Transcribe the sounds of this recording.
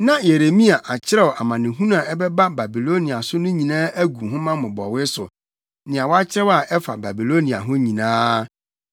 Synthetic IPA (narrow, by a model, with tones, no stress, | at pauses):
nã˦je˨ɾe˨mĩ˦a˨ʔa˨t͡ɕʰɪ˦ɾɛ˦wɔ˨ʔa˨mã˨nɪ̃˨ɦũ˦n˦ã˨ɛ˦bɛ˦ba˦ba˨bi˨lo˦ni˨a˨sʊ˦nʊ̃˦ɲĩ˨nãː˦ʔæ˦ɡu˨ɦʊ̃˦mã˦mʊ̃˨bɔ̰˨wɪ˦sʊ̰˨ | nɪ̃˨a˨wɔ˦a˦t͡ɕʰɪ˦ɾɛ˦wa˨ɛ˦fa̰˨ba˨bi˨lo˦nĩ˨a̰˨ɦʊ̃˦ɲĩ˨nãː˦